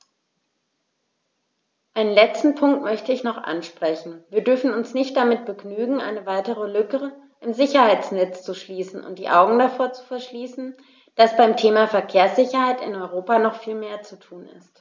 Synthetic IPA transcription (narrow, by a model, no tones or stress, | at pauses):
ʔaɪnənlɛt͡stn̩pʰʊŋk̚tmœçtəɪçnɔχʔa̰nʃpʁ̥ɛçn̩viːɐdʏɐfn̩ʊnsnɪçt̚d̥amɪt̚b̥əɡnyːɡŋ̩ʔa̰ɪnəvaɪtəʁəlʏkə | ʔɪmzɪçɐhaɪt͡snɛt͡st͡suʃliːsn̩ʔʊ̰nt̚d̥iːʔaʊɡŋ̩dafoːɐt͡su̥fɛɐʃliːsn̩ | d̥asb̥aɪmtʰeːmafɛɐkʰeːɐsz̥ɪçɐhaɪtɪ̰nɔʏʁoːpanɔχfiːlmeːɐt͡sutʰuːnɪ̰st